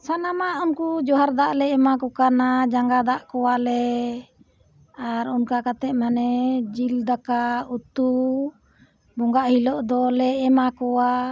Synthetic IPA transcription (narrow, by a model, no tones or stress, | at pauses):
sanamaʔunkud͡ʒɔɦaɾd̪aʔlɛɛmakɔkanad͡ʒaŋɡad̪aʔkɔwalɛ | aɾunkakat̪ɛʔmanɛd͡ʒild̪akaut̪u | bɔŋɡaʔhilɔʔd̪ɔlɛɛmakɔwa